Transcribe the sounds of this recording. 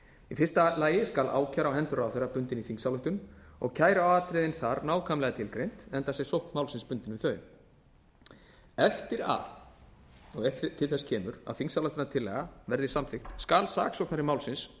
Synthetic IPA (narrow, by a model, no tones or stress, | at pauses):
ifɪ̥st̪alaːjɪskalʔa̰ːwcʰaɾawɦɛnt̪ʏɾaːwθejɾːapʏnt̪ɪniθiŋsawlʏht̪ʏmɔ̰ɣcʰaːjɾaawaːt̪ɾɪðɪnθaɾnaːwkʰamlɛːɣat̪ʰɪlkɾejn̥t̪ɛnt̪asɛɣsowht̪maːwlsɪnspʏnt̪ɪnvɪθœːɥʏm | ɛft̪ɪɾa̰θ | ɔɣɛt̪ʰɪlθɛscʰɛːmʏɾa̰ðθiŋksalœht̪ʏnat̪ʰɪlːɛːɣavɛɾðɪsamθɪxt̪skaːlsa̰ːksɔwhknaɾɪmaːwlsɪns